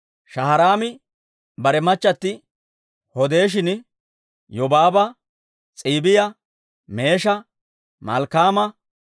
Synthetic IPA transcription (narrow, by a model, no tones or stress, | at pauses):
ʃɐɦɐɾaːmɪ | bɐɾɛmɐt͡ʃːɐt̪ːɪ | hɔd̪e̞ːʃ̬ɪn | jɔbaːbɐ | t͡sʼiːbɪjɐ | me̞ːʃɐ | mɐ̰lkaːmɐ